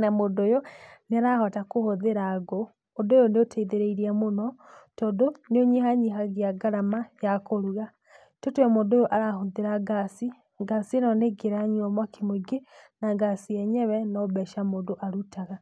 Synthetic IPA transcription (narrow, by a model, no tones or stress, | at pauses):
namodojoneaɾahɔtakohoðeɾaɡoː | dojoneotʰeiðeɾeiɾiamonɔtɔːndoneoɲihaɲiɦaɣiaɡaɾamajakoɾuɣa | totwɛmondojoʔaɾahoðeɾaɡasi | ɡasinɔneɡeɾaɲwamwakemweɡenaɡasiɛɲɛwɛnɔβɛʃamoːndoʔaɾutaɣa